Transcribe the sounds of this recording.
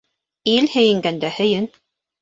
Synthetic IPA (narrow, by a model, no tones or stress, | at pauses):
ilhɘ̆jɘ̆ŋɡænd̪æhɵ̆jɘn